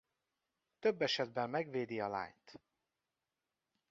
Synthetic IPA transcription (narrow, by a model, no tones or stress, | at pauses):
t̪øbːɛʃɛd̪bɛmːɛɡveːd̪iɒla̰ːɲt̪